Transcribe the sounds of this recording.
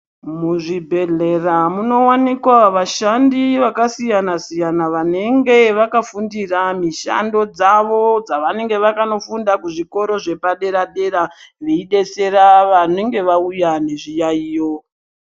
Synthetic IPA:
muʐibʱe̞ɮe̞ramuno̞wanikwaʋaʃandiʋakasijanasijanaʋane̞ŋɡe̞ʋakafundiramiʃa̰ndo̞d͡zaʋo̞d͡zaʋane̞ŋɡe̞ʋakano̞fundakuʐiko̞ɾo̞ʐe̞paɗe̞ɾaɗe̞ɾaʋeiɗe̞se̞ɾaʋane̞ŋɡe̞ʋaujane̞ʐijaiːjo̞

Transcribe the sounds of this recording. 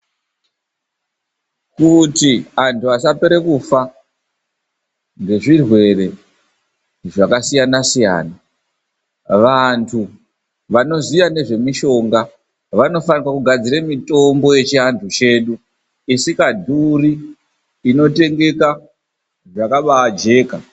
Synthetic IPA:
kutiantʰuasapeɾekufa | ŋɡe̞ʐirwe̞re̞ | ʐakasijanasija̰ːna | ʋantʰu | ʋano̞zijane̞ʐe̞miʃo̞ŋɡa | ʋano̞fanikwakuɡʱad͡ziremito̞mbo̞je̞t͡ʃiɦantʰut͡ʃe̞ːɗu | isikadʱuriː | no̞te̞ŋɡe̞ka | ʐakaɓawad͡ʒe̞ːka

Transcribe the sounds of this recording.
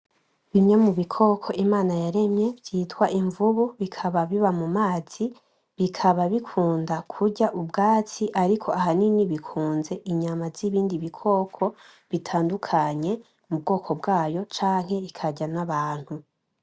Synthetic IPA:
βiɲɲemuβikʰo̞kʰo̞ʔimaːnajaɾe̞mɲe̞bɟiːtwaʔiɱvuβuβikʰaβaβiβamumaːz̥i | βikʰaβaβikʰuːndakʰuɟaʔubɡaːt͡siʔaɾikʰo̞aɦaniniβikʰuːnze̞ʔiɲamaziβiːndiβikʰo̞ːkʰo̞ | βitʰaːndukʰaɲe̞ | mub̚ɡo̞ːkʰo̞bɡaːjo̞t͡ʃaːŋ̥he̞ikʰaɟanaβaːn̥hu

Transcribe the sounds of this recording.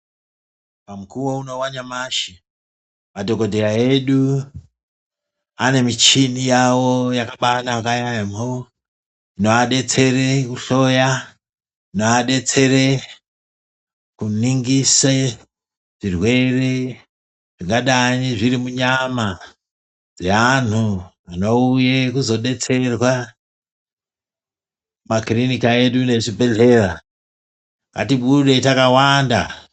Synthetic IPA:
pamukuwouno̞waɲamaʃi | madokodʱeɾaeɗu | ane̞mit͡ʃinijawojakaɓanaːkajamo | ino̞aɗe̞t͡se̞ɾekuɬo̞ja | inoaɗe̞t͡se̞ɾe | kuniŋɡise | ʐ̥irwe̞re | ʐiŋɡaɗaɲiʐiɾimuɲama | d͡zean̤u | ano̞ujekuzo̞ɗe̞t͡se̞rwa | makrinikae̞ɗune̞t͡ʃibʱe̞ɮe̞ːra | ŋɡa̰tiɓuɗe̞takawanda̰

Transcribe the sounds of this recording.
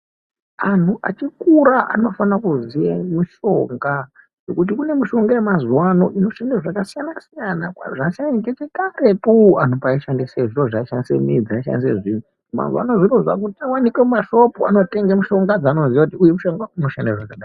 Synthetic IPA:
antʰuʔa̰t͡ʃikuɾaʔa̰no̞fanakuzijamiʃo̞ŋɡa | ʐekut̬ikune̞miʃo̞ŋɡajemazwano̞ʔino̞ʃandaʐakasijanasijanakaʐasianit͡ʃet͡ʃekaɾe̞tuan̤upaiʃandeseʐiroʐaiʃanisḛmid͡zaiʃa̰nisḛʐin̤u | ma̰zwa̰noʐiroʐa̰k̬utawanikemumaʃo̞pua̰no̞te̞ŋɡemuʃo̞ŋɡad͡zaːno̞zijakutiujemuʃo̞ŋɡauno̞ʃandeʐakaɗa

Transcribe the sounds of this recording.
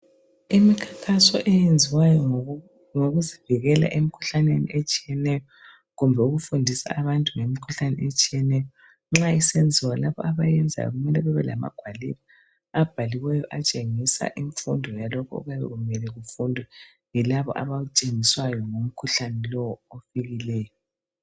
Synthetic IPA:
imikʰḁkʰasɔ̰ʔɛjend͡zʱiwajɔ | ŋoɣuziviɣɛla̰ʔemikʰu̥ɬanenḭʔet͡ʃʼijɛnɛjɔ | ɣumbʱɛuɣufundʱisa̰ːβantʼuŋemikʰuɬanɛ̰et͡ʃʼijɛnɛjɔ | ŋ͡ǁaisend͡zʱiwalaβɔ̰aβajɛnd͡zʱa̰jɔ̰ɣumɛlɛβɛβɛla̰ma̰ɡ̥ʱwaliβa | ab̥ʱaliwɛjɔʔat͡ʃʼeŋisa̰ʔiɱfṵndʱɔjalɔkʰɔ̰ṵɣaβɛ̰ɣumɛlɛɣufundʱwɛ | jilaβɔ̰ʔa̰βaut͡ʃʼeŋiswajɔŋom̩kʰuɬanɛlɔwɔofiɣilɛːjɔ

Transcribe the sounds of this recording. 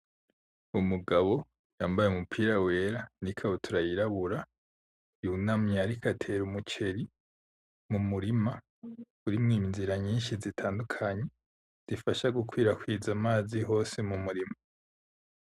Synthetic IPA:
umuɡaβo̞ | jaːmbajeumupʰiːɾawe̞ːɾanikʰaβotʰuɾajiɾaβuɾa | junamɲaɾikʰatʰe̞ɾumut͡ʃe̞ɾi | mumuɾima | uɾimŋiːnziɾaɲiːnʃizitʰaːndukʰaɲe̞ | z̥ifaʃaɡukʰwiːɾakwiːzamaːziɦo̞ːsemumuɾima

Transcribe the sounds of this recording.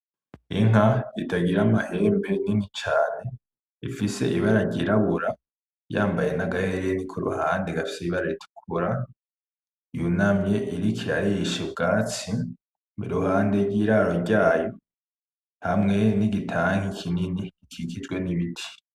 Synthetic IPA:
ḭŋ̥aitʰaɡiɾamahe̞ːmbe̞ninit͡ʃaːne̞ | ḭfise̞̰ʔḭβaɾaɾɟiɾaβuɾa | jaːmbaje̞naɡaheɾenikʰuɾṵhaːndeɡafi̥seiβaɾaɾitʰu̥kʰuɾa | junamje̞ʔiɾikʰiɾa̰ɾiiʃebɡaːt͡si | mḭɾuhaːndeɾɟiːɾaɾo̞ɾɟaːjo̞ | hamŋe̞niɡitʰaːŋ̥ikʰininiikʰikizɡwe̞niβitʰi̥

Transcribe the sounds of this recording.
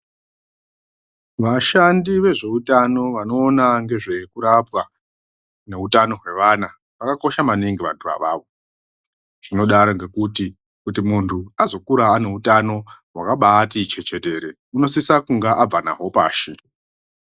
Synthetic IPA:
ʋaʃandiʋe̞ʐe̞utano̞ʋano̞ːnaŋɡe̞ʐe̞kuɾapwa | ne̞utano̞ɦwe̞ʋana | ʋakako̞ʃamaniŋɡiʋa̰ntʰuʋa̰ʋaːʋo̞ | ʐ̥ino̞ɗaɾoŋɡe̞kuti | kutimuntʰuazo̞kuɾaːne̞utano̞ɦwakaɓatit͡ʃe̞t͡ʃe̞te̞ɾe | uno̞sisakuŋɡaʔab͡vana̰ɦo̞pa̰ːʃi

